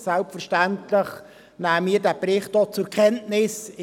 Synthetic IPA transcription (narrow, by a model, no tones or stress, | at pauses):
sɛlpfɛʃtæntləχ | næːmiːɾdæbrɪχt̚ot͡sʊɾkχɛntnɪsɪ